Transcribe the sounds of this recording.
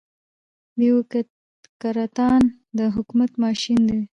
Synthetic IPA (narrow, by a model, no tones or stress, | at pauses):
biwk | kaɾat̪ɑn | d̪əɦʊkmat̪mɑʃind̪e